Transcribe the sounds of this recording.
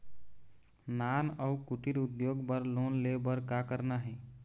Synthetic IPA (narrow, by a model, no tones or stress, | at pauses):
nanəukuʈiɾud̪joɡbəɾlonlebəɾkakəɾnaɦɛ